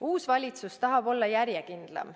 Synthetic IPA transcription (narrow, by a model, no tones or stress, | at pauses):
uːsvɑlʲit̪sust̪ɑɦɑbo̞lːɑjæɾjekind̪̥lɑ̰m